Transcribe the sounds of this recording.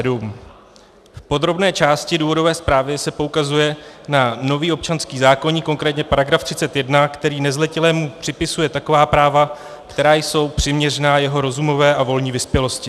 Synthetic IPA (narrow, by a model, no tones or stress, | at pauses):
dum | fpo̞d̪ɾo̞bnɛːt͡ʃaːscɪduːvo̞do̞vɛːspɾaːvɪsɛpo̞ukazujɛnano̞viːo̞p̚t͡ʃanskiːzaːkoɲiko̞ŋkɾɛːt̪ɲɛpaɾaɡɾaft̪r̥ɪt͡sɛt̪jɛdnakt̪ɛɾiːnɛzlɛcɛlɛːmupr̥ɪpɪsujɛt̪ako̞vaːpɾaːva | kt̪ɛɾaːjso̞wpr̥ɪmɲɛrɛnaːjɛɦo̞ɾo̞zumo̞vɛːʔavo̞lɲiːvɪspjɛlo̞scɪ